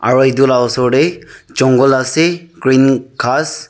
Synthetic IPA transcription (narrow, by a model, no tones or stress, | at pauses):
a̰ɹuedulawɔsɔɹɖɛt͡ʃɔŋɡɔlasɛɡɹinkʰas